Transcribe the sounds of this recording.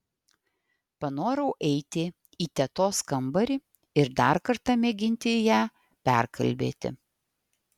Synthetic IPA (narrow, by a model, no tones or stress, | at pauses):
pɐnoːɾɐʊʔɛɪt̪ʲɪ | iːt̪ʲɛt̪oːskɐmbɐɾʲɪ | ɪɾd̪ɑˑɾkɐɾt̪ɐmʲɛɡʲɪnʲt̪ʲɪjæː | pʲæ̰ˑɾkʰɐ̰lʲbʲḛːt̪ʲɪ̰